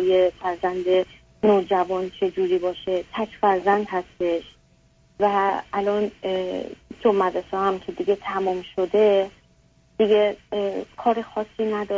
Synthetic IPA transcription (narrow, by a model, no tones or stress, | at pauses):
ujefæɾzænd̪e | noːd͡ʒævɒːnt͡ʃʰe̞d͡ʒuːɾiːbɒːʃe̞t̪ʰæcʰfæɾzænd̪hæst̪e̞ʃ | væælɒːn | d͡ʒomːæd̪ɾesɒːhæmcʰe̞d̪iɡe̞t̪ʰæmɔːmʃo̞d̪e̞ | d̪̥iɡe̞kʰɒːɾexɒːsːiːnæd̪ɒ